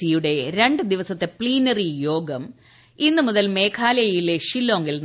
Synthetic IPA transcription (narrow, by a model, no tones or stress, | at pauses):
ijuɽe̞ɾe̞ɳɖɨd̪iʋɐsɐt̪ːe̞pɭiːnɐrijo̞ːɡɐm | inːɨmuðɐlme̞ːkʰaːlɐjjileʂilːoːŋɡiln